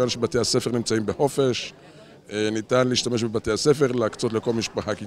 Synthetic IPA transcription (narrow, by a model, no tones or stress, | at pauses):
anʃebate̞hase̞feʁnimt͡saimbeχo̞fe̞ʃ | nitanleiːʃtameʃbebate̞jase̞fe̞ʁleakt͡so̞tleko̞lmiʃpaχaki